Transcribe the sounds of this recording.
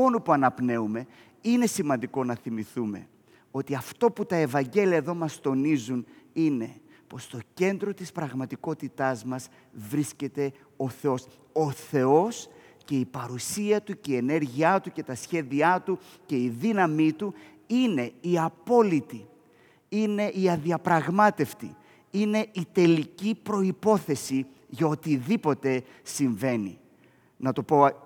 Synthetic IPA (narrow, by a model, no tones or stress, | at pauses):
o̞nupuɐnɐpne̞ume̞ | ine̞simɐnd̪iko̞nɐθimiθume̞̰ | o̞t̪iɐft̪o̞put̪ɐe̞vɐɲɟe̞liɐeðo̞mɐst̪o̞nizunine̞ | po̞st̪o̞ce̞nd̪ɾo̞t̪ispɾɐɣmɐt̪iko̞t̪it̪ɐzmɐs | vɾisce̞t̪e̞ | o̞θe̞o̞s | o̞θe̞o̞s | ce̞ipɐɾusiɐt̪uceie̞ne̞ɾʝiɐt̪uce̞t̪ɐsçe̞ðiɐt̪u | ce̞iðinɐmit̪u | ine̞iɐpo̞lit̪i | ine̞ʔiɐðiɐpɾɐɣmɐt̪e̞ft̪ḭ | ine̞it̪e̞licipɾo̞ipo̞θe̞si | ʝɐo̞t̪iðipo̞t̪e̞ | siɱve̞nḭ | nɐt̪o̞po̞